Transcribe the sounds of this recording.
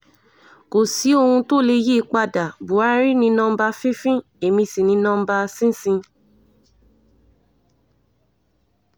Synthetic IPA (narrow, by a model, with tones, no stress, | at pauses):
ko˨si˨˦o˦˧hũ˧to˦˨le˧ji˦˧k͡pa˧da˨bu˨˦a˦ɾi˦nĩ˧˦nã˦ba˧fĩ˦fĩ˦ | e˨mĩ˧si˨nĩ˧˦nɔ̃˦ba˧sĩ˦sĩ˧